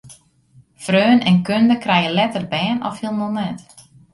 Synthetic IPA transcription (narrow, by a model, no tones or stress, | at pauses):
frøːnɛnkøndəkrɛjəlɛtərbɛːnɔfhilˠnɔnɛt